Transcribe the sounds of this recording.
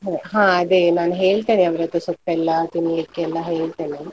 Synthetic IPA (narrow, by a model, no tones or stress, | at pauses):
ɦɦãːɐd̪enaːnɦeːɭt̪eːneɐʋɐɾɐt̪ːusukʈːɛlːɐt̪inijɐkːeɛlːɐɦeːɭt̪eːne